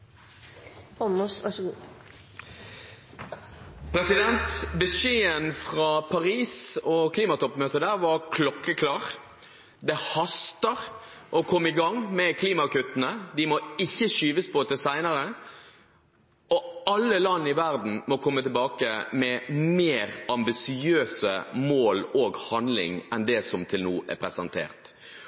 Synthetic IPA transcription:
hɑmusʋɑʂɡuː | pʰɾɛsɪd̪ɛnt̪bəʃeːənfʁɑpʰɑʁiːsɔkʰliːmɑt̪ʰɔpːmøːt̪əd̪æːʁʋɑʁkʰlɔkːəkʰlɑːʁ | d̪ɛhɑst̪əʁ | ʔɔkʰɔmːɪɡɑŋmɛkʰliːmɑkʉt̪ːənəd̪ɪmɔɪçːəʃyːʋəspʰɔt̪ɛsæɪnəɾə | ɔɑlːəlɑnːɪʋæʁd̪n̩mɔkʰɔmːət̪ɪlbɑːkəmɛmeːɾɑmbɪsɪøːsəmoːloːɡhɑnd̪lɪ̰ŋɛnd̪ɛsɔmt̪ʰɪlnuːʔɛ̰pʰɾɛsɛnt̪ʰḛːʁt̪

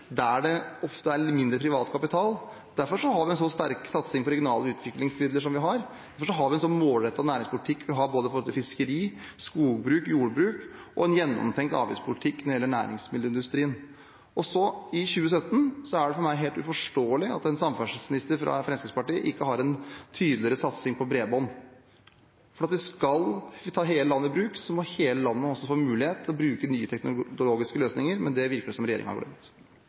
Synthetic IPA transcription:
d̪æɖɛɔft̪əæɾmɪnd̪ɾəpʰɾɪʋɑːt̪kɑpɪt̪ʰɑːl | d̪̥æɾfɔɾʂɔɦɑɾʋɪɛnsɔst̪æɾksɑt̪sɪŋpɔɾɛɡjʊnɑːləʉːt̪ʰʋɪklɪŋsmɪd̪ləʂɔmʋɪɦɑɾd̪æɾfɔʂɔɦɑɾʋɪɛnsɔnːmoːlɾɛt̪ːɑd̪næːɾɪŋspʰʊlɪt̪ʰɪkːʋɪɦɑɾboːd̪əfʰɔɾɔlɪfɪskəɾiː | skuːbɾʉːkjuːɽbɾʉːkʔɔɛnjɛnːɔ̰mt̪ʰɛŋkt̪ɑ̰ːʋɪ̰spʰʊlɪt̪ʰɪkːnɔɾɪɛlːəɳæ̰ːɾɪ̰ŋsmɪd̪əɪnd̪ʉst̪ɾiːən | ɔsɔɪɕʉːəs̬œt̪ːən̩sɔæɖɛfɔɾmæɪɦeːlt̪ʉ̰fɔʂʈoːlɪɑ̰t̪ɛnsɑmfæʂsmɪnɪst̪əɾfɾɑ̰fɾɛmskɾɪkspɑʈiːə̰ʔɪkːəɦɑɾɛnt̪ʰyːd̪lɪəɾəsɑt̪sɪŋpʰɔbɾeːbɔn | fɔɾɑt̪ʋɪskɑlt̪ʰɑːɦeːləlɑnːəɪbɾʉːksɔmɔheːləlɑnːəɔsːɔfoːmʉːlɪheːt̪ːʰlɔbɾʉːkənyːət̪ʰɛknʊloːɡɪskəløːsnɪŋəɾmɛnd̪ɛʋɪɾkəɛsɔmɾɛjḛːɾɪ̰ŋəɑhɑ̰ɡɽœ̰mt̪

